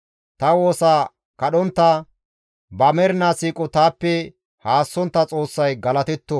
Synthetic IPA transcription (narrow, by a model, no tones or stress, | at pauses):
t̪ɐwo̞ːsaː | kɐɗɔnt̪ːɐ | bɐmɛɾnasiːkʼɔt̪aːpːɛ | haːsːɔnt̪ːɐt͡sʼo̞ːsːɐjɡɐlɐt̪ɛt̪ːɔ